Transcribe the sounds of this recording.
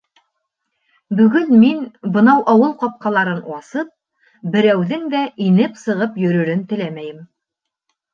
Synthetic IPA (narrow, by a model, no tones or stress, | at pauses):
bɵ̆ɡɵlminbɤ̆nɑwʔɑwɤlˠqɒp̚qɑlˠɑɾɤnʔɒsɤp̚ | bɘ̆ɾæwðɘŋd̪æʔinɘpsɤ̆ʁɤpjɵ̆ɾɵ̆ɾɘnt̪ɘ̆læmæjɘm